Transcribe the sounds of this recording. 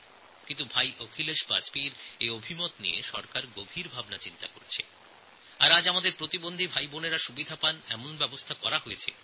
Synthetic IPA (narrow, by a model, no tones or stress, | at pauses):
kint̪ubʱajʔokʰileʃba̰d͡ʑpiɾeobʱimot̪nḭjeʃɔ̰ɾkaɾɡobʱiɾbʱabnat͡ɕint̪akoɾet͡ɕʰe | aɾad͡ʑamad̪eɾpɾot̪ibond̪ʱibʱajboneɾaʃubid̪ʱapanɛmonbɛbost̪ʰakɔɾaɦojet͡ɕʰḛ